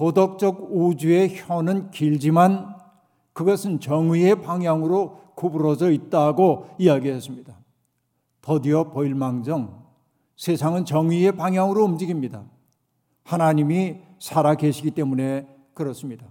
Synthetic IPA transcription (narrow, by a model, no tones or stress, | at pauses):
podʌk̚t͡ɕ͈ʌɡud͡ʑue̞çonɯnkiʎd͡ʑiman | kɯɡʌsʰɯnt͡ɕʌŋɥie̞paŋɦjaŋɯɾokubuɾʌd͡ʑʌit̚t͈aɡoiaɡiɦes͈ɯmɲida | tʌdiʌpʌiɭmaŋd͡ʑʌŋ | sʰesʰaŋɯnt͡ɕʌŋɥie̞paŋɦjaŋɯɾoɯmd͡ʑiɡimɲida | hanaɲimi | sʰaɾakeɕʰiɡit͈e̞mune̞ | kɯɾʌs͈ɯmɲida